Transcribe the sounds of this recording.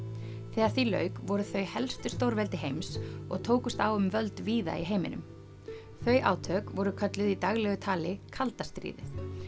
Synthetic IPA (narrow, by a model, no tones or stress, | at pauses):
θɛːaɾ̥θilœ̰ɥkvɔɾʏθœɥhɛlst̪ʏst̪owɾvɛlt̪ɪɦejmsɔ̰ɣt̪ʰoːwkʏst̪awʏmvœlt̪viːða̰iɦejmɪ̰nʏ̰m | θœɥʔa̰ːwt̪ʰœkvɔɾʏkʰœt̪lɪðit̪aɣlɛɣʏt̪ʰaːlɪkʰalt̪ast̪ɾḭːðɪθ